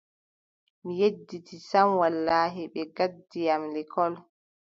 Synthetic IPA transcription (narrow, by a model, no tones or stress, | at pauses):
mijedːitʰisamwalːaːɦiɓɛɡadːijamlɛkʰɔl